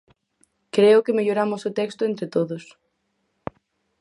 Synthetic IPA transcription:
kɾeokemeʝoɾamosot̪ekst̪oent̪ɾet̪oðos

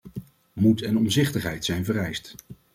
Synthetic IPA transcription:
mutɛnɔmzɪχtəχɦɛjtsɛjnvərɛjst

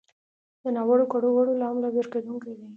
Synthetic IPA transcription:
d̪ənɑwaɽokaɽoɣaɽolaamlabeɾked̪uŋkajd̪aj

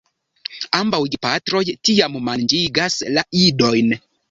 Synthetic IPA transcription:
ambawɡipatɾo̞jtiammand͡ʒiɡaslaido̞jn

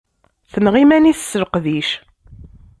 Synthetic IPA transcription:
θənʁimæniθəsːəɾqðiʃ

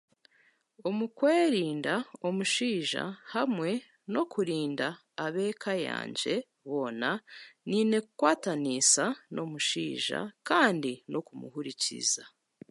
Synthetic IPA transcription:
omukweːɾiːndaomuʃiːʒa̰hamŋe̞ | no̞kuɾiːndaː | βe̞ːkʰaja̰ːɲɟe̞ | βo̞ːnaniːne̞kukwaːtanisanʔo̞muʃḭːʒa̰kaːndinʔo̞kumṵhuɾicḭza

